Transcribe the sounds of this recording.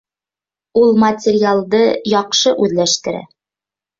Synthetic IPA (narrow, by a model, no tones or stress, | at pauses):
ulˠmɐtʲɪɾʲjalˠd̪ɤjɒqʃɤʔʉðlæʃt̪ɘ̆ɾæ̰